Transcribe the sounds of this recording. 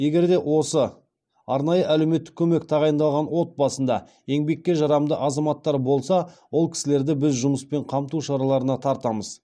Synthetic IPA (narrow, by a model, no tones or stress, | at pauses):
je̞ɡʲe̞ɾd̪e̞wo̞sə | ɑɾnɑjəʔælewme̞t̪ːɪ̥kʲʰɵme̞k̚t̪ʰɑʁɑjənd̪ɑlˠʁɑnwo̞t̪̚bɑsənd̪ɑ̰ | e̞ŋbe̞kʲːe̞ʒɑɾɑmd̪əʔɑzɑmɑt̪ːɑɾbo̞lˠsɑwo̞lˠkʲʰɪ̥sɪle̞ɾd̪ɪbɪzʒʊməspe̞ɴqʰɑmt̪uʃɑɾɑlˠɑɾənɑt̪ʰɑɾt̪ɑməz̥